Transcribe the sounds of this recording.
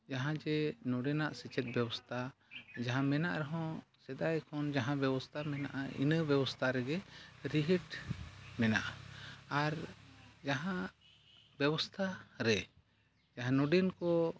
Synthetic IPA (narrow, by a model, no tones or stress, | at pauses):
d͡ʒaɦãd͡ʒɛnɔɖɛnaʔsit͡ʃɛt̪̚bjɛbɔst̪ʰad͡ʒaɦãmɛnaʔɾɛɦɔ̃sɛd̪ajkɔnd͡ʒaɦãbɛbɔst̪ʰamɛna̰ʔaḭnəbjɛbɔst̪ʰaɾɛɡɛɾiɦiʈmɛna̰ʔaaɾd͡ʒaɦã | bɛbɔst̪ʰaɾɛ | d͡ʒaɦãnɔɖɛnkɔ